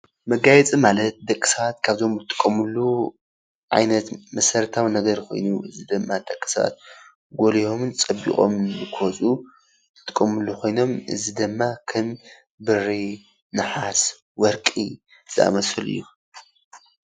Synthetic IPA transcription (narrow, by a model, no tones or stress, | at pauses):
mɐɡajɛt͡sʼimalɐt̪̚d̪ɐkʼːi̥sɐβat̪kʰaβzo̞mɨt̪ʼɨ̥kʼːɐmɨlːu | ʕa̰jnɐt̪mɐsɐɾt̪ʰawnɐɡɐɾkʰo̞̰jnuʔɨzid̪ɨmːad̪ɐkʼːi̥sɐβa̰t̪̚ | ɡolijo̞mnt͡sʼɐbḭkʼo̞mbɨkʰɨwɔt͡sʼu | ɨt̪ʰʼɨkʼːɐmɨlːukʰo̞jno̞mʔɨzid̪ɨmːakʰɐm | bɨɾi | nɨħas | wɔɾkʼi | z̥ɨa̰mɐsfɨlɨ̰jːu